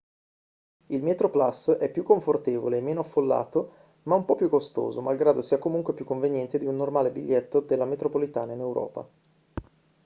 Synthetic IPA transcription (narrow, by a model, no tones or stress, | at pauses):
ilmet̪ɾoplasɛpːjukːoɱfort̪eːvo̰leːmːeːnoafːolːa̰ːt̪o | maumpɔpːjukːost̪o̰ːzomalɡɾaːd̪osiːakomuŋkwepjukːoɱvenjɛnt̪ed̪iunːormaːlebiʎːɛt̪ːod̪elːamet̪ɾopolit̪aːnainewɾʔɔ̰ːpa̰